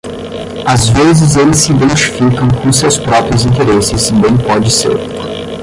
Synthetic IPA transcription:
azvezɪzelɪsɪĩd̪ẽnt͡ʃi̥fikɐ̃w̃kõs̬ewspɾɔpɾiʊzĩnt̪eɾesɪsbẽj̃pɔd͡ʒɪsḛɾ

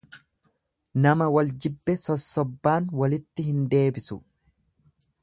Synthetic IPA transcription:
nɐmɐwɐld͡ʒɪbːɛsɔsːɔbːaːnwɐlɪt̪ːɪhɪnd̪e̞ːbɪsʊ

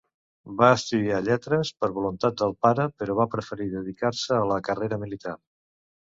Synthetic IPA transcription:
baəst̪uðiaʎɛt̪ɾəspəɾβulunt̪at̪̚d̪əlˠpaɾəpəɾɔβapɾəfəɾiðəðikaɾsəːləkəreɾəmilit̪ar

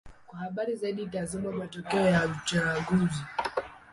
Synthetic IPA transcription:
kwahaɓaɾizaiɗitazimamatɔkɛɔjaut͡ʃaɡuzi

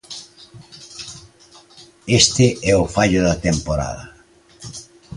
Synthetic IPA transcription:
est̪ɪʔɛʊfaʎʊðɐt̪empoɾa̰ðɐ

